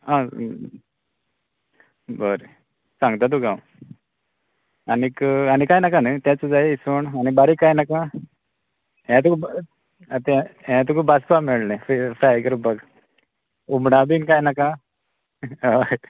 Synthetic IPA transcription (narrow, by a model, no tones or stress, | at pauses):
ɦã | bəɾ | sãŋɡt̪at̪̬uɡãw | anːkaɽ̃ikajnakãnət̪jãt͡səd͡zaeisoɳañibaɾikːajnakã | ãt̪̬uk | t̪ãt̪̬ukubaspameɭnẽfifɾakəɾubaɡ | umɽabinkajnakã